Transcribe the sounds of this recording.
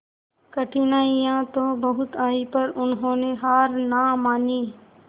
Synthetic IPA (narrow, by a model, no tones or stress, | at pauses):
kəʈʰinaːijãːt̪oːbəɦʊt̪aːipəɾʊnɦõːneɦaːɾnaːmaːniː